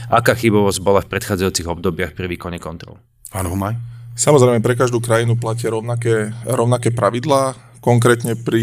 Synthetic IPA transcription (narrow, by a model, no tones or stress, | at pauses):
ʔakaːxibɔʋɔzɟbɔlafpɾɛt̪xaːd͡zajuːt͡siɣɔb̚d̪ɔbɪaxpɾiʋiːkɔɲɛkɔnt̪ɾɔ̰l | panɦɔmajsamɔzɾɛjmɛpɾɛkaʒd̪uːkɾajinuplacɪaɾɔʊnakɛːɾɔʊnakɛːpɾaʋid̪laː | kɔŋkɾɛːt̪ɲɛpɾi